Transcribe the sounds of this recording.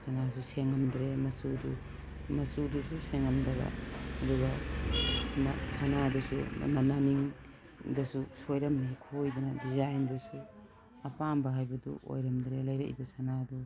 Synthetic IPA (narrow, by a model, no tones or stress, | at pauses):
sanas̬useŋɐmdɾemɐsudu | mɐsudususeŋɐmdɐbɐ̰ɐdubɐ | masanadusṵmananiŋ | dɐsusojɾɐmnikʰojbɐnɐdizajndusu | ɐpambɐɦajbɐdṵʔo̰jɾɐmdɾelɐjɾɐ̰ʔḭbɐsanadu